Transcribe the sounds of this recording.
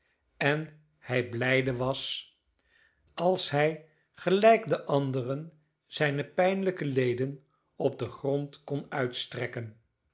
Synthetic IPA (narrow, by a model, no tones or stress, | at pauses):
ɛn | hɛjblɛjdəʋɑs | ɑlˠsɦɛj | χəlɛjkdəʔɑndərən | z̥ɛjnəpɛjnləkəlejdən | ɔb̚dəχrontkɔnœɥtstrɛkən